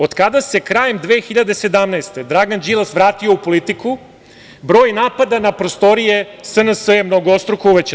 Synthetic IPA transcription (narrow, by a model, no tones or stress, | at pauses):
o̞d̪kad̪ase̞kɾaːjemd̪ʋeːxiʎad̪e̞se̞d̪amnaest̪e̞d̪ɾaɡand͡ʑilˠasʋɾaːt̪io̞upo̞lit̪iku | bɾo̞ːjnaːpad̪anapɾo̞st̪o̞ɾijesənəsəjemnoɡoost̪ɾokouʋet͡ɕ